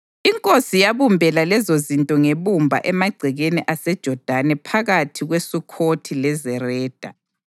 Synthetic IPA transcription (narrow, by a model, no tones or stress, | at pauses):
iŋkʼosijaβumbʱɛlalɛzozintʼɔŋeβumbʱa̰ʔɛmaɡ͡ǀʱɛɣeniʔasɛd̥ʒ̥ʱɔd̥ʱanɛpʰaɣatʰiɣwesukʰotʰilɛzɛrɛːd̥ʱa